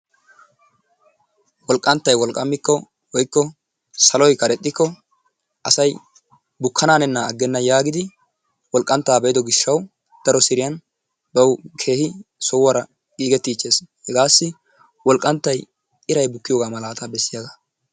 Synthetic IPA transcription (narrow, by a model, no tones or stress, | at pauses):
wɔlkʼːɐnt̪ːɐjwɔlkʼːɐmːɪkːɔ | wɔjkːɔ | sɐlɔjkɐɾɛt̪ʼːɪkːɔ | ʔɐsɐj | bʊkʰːɐnaːnɛnːɐːɡːɛnːɐjaːɡɪd̪ɪ | wɔlkʼːɐnt̪ːaːbɛjd̪ɔɡɪʃːɐw | d̪̥ɐɾɔsɪɾɪjɐn | bɐwkʰe̞ːhɪsɔwːɐɾɐ | ɡʼiːɡɛt̪ːiːt͡ʃːe̞ːshɛɡaːsːɪ | wɔlkʼːɐnt̪ːɐj | ɪɾɐjbʊkːɪjoɡaːmɐlaːt̪abɛsːɪjaɡa